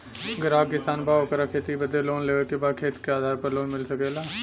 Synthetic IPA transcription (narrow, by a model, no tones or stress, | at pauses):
əɡəɾaːbkɪsaːnbaːokəɾakʰeːt̪ibəd̪ʱeloːnleːʋəkebaːd̪̚kʰeːt̪i̥keaːd̪ʱaːɾpəɾloːnmɪlsəkeːlaː